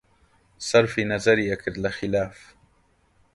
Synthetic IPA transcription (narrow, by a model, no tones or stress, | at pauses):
sɑɾˤfinazaɾiakɪɾlaxɪlaːf